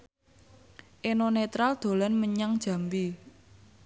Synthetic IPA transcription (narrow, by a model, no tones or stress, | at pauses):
ʔenonet̪ɾald̪̥o̤lanməɲaŋd̥ʒ̥a̤mbi